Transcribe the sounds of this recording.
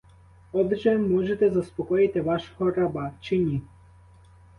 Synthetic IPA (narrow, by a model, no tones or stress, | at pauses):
ɔb̪ɪt͡ʃɛmɔʒɛt̪ɛzaspɔkɔjit̪ɛvaʃxɔɾabat͡ʃinʲi